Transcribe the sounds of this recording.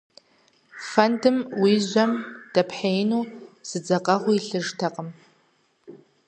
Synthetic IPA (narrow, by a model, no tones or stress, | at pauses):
fɐndɨmwiːʑʷɐmd̥ɐpʰħejnuːz̥ɨd͡zɐqʼɐʁʷʊiɬɨʐtʰɐqʼəm